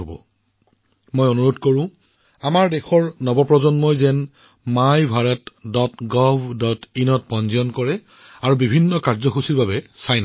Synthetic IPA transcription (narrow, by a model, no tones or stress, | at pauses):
obɔ̰ | mojonuɹodʱkoɹʊ̃ | amaɹdexɔɹnɔbɔpɹɔzɔnmɔjzɛn | majbʱaɹɛtdɔtɡɔbdɔtinɔt̚pɔnzijɔnkɔɹɛ | aɹubibʱinːɔkaɹzɔxusiɹbabɛsajna